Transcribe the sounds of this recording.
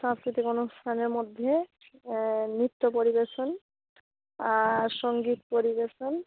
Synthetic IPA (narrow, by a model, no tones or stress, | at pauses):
ʃãskɾit̪ikonust̪ʰaneɾmod̪ʱːe | nɾit̪ːopoɾibeʃon | aɾʃɔŋɡit̪̚poɾibeʃon